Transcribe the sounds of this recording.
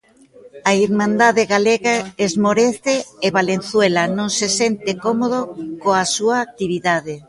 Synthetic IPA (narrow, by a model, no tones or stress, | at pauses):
aiɾmãnd̪aðeɣaleɣaezmoɾeθeːβalen̟θwelɐnõŋsesent̪ekɔmoð̞okoasuaːk̚t̪iβ̞iðaðe